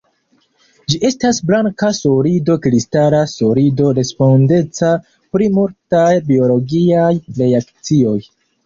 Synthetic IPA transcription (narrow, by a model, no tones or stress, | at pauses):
d͡ʒiʔe̞stasblaŋkasoɾido̞kɾistaɾaso̞ɾido̞ɾe̞spo̞nde̞t͡sa | pɾimultajbio̞lo̞ɡiajɾe̞akt͡sio̞j